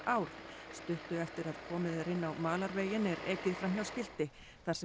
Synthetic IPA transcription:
aːwɾst̪ʏht̪ʏɛft̪ɪɾaðkʰɔːmɪðaɾɪnːawmaːlaɾveːjɪnːɛɾeːcɪðfɾanjawscɪl̥t̪ɪ | θḁsɛ

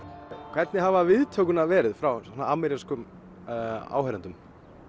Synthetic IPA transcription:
kʰvɛt̪nɪɦavavɪðt̪ʰœkʏnavɛːɾɪðfɾawsɛnaamɛɾjaskʏm | a̰ːwhɛɾant̪ʏm

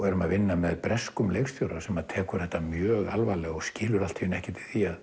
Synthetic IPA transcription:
ɛɾʏmaðvɪnːamɛðpɾɛskʏmleːjxst̪jowɾasɛmaðt̪ʰɛːkʏɾ̥hɛht̪ːamjœːɣa̰lvaːlɛɔscɪːlʏɾal̥t̪ʰiɪnɛhcɪt̪ɪ̥θiað

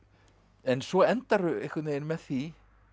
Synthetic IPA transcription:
ɛnsvɔɛnt̪aɾʏehkʰvɛt̪nejɪnmɛðθi

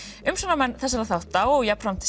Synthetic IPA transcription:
ʏmsɔnamɛnːθɛsːaɾaθawht̪ːawɔɣjapam̥t̪ʰɪ̥

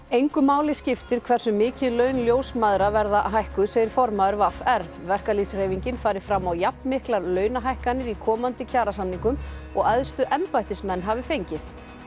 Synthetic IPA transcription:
ejŋkʏmaːwlɪscɪft̪ɪɾ̥kʰvɛr̥sʏmːɪːcɪðlœːɥnljoːwsmaðɾavɛɾðaɦajhkʏsejðɪɾ̥fɔɾmaːðʏɾvafɛɾ | vɛr̥kalisr̥eːjviɲcɪnfaːɾɪ̥fɾamːawjapnmɪhklaɾlœːɥnaɦajhkanːɪɾikʰɔːmant̪ɪcʰaːɾasanːiŋkʏmɔ̰ɣaðst̪ʏʔɛmpajht̪ɪsmɛnːɦavɪfejɲcɪθ

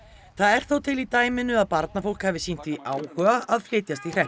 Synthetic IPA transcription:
θaðɛɾ̥θowt̪ʰɪlit̪aːjmɪnːʏaðpaɾt̪nafowl̥khaːvɪsin̥t̪viʔaːwhœːɣaʔaðflɪːt̪jast̪ir̥ɛh

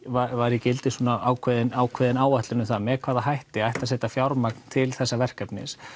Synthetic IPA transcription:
vavaɾɪcɪlt̪ɪ̥suːnaʔaːwkʰvɛðɪnaːwkʰvɛðɪnaːwaht̪lɪnʏmθaðmɛkʰvaːðaɦajht̪ɪaajht̪asɛːt̪afjawɾmakn̥t̪ʰɪlθɛsːavɛr̥kapnɪ̰s

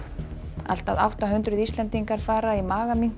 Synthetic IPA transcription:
a̰l̥t̪a̰ða̰wht̪aɦʏnt̪ɾʏðist̪lɛnt̪iŋkaɾ̥faːɾaimaːɣamiŋ

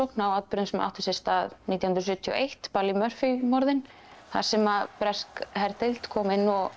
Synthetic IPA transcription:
owknawat̪pɾʏnsma̰wht̪ʏsɪst̪aːðniːt̪jahʏnɾsʏht̪ʰːiɔ̰ʔejht̪palimœr̥fimɔɾðɪn | θa̰ɾ̥sɛmapɾɛskhɛɾt̪ɪlt̪kʰɔːmɪnːɔɣ

